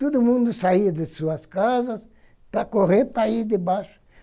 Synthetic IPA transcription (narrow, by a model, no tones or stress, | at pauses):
t̪od̪ʊmũnd̪ʊsaiɐd̪esuɐskazɐs | pɾakoreɾpɾaid̪ebaʃʊ̥